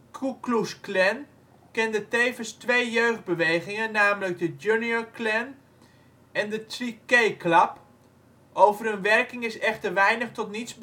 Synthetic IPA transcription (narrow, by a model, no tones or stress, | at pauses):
kʰuklusklɛn | kɛndəteːvənstʋejjøɥχd̚bəʋejχɪŋənaːmələk̚dəd͡ʒjunjoklɛn | ɛndətrikejklap | ʔowvərənʋɛrkɪŋɪsɛχtərʋɛjnəχtɔtnitsb